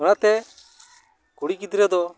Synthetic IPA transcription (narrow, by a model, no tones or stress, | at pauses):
ɔnat̪ɛ | kuɽikid̪ɾɛd̪ɔ